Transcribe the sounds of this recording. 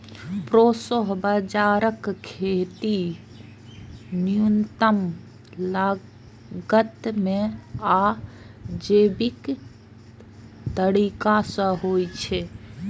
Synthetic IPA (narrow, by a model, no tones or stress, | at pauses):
pɾosoɦbəd͡ʒaːɾəkkʰːet̪i | nijunt̪əm | la | ɡət̪mẽa | d͡ʒeːbik | t̪əɽikasə̃ɦojt͡ʃʰe